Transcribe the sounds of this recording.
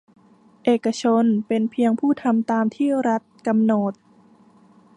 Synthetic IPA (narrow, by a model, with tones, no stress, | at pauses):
ʔeː˨˩ka˧t͡ɕʰo˧npe˧npʰi˧əŋpʰuː˥˩t̪ʰa˧mt̪aː˧mt̪ʰiː˥˩ɾa˦˥t̪̚ka˧mno˨˩t̪̚